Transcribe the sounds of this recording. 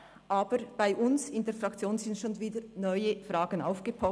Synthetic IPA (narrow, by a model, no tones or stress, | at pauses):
ʔaːbəɾb̥aɪʔʊnsɪndeːɐfrɑkt͡sjoːnzɪntʃoːnviːdənɔʏəfʁɑːɡəna̰ʊfɡ̥əpʰɔ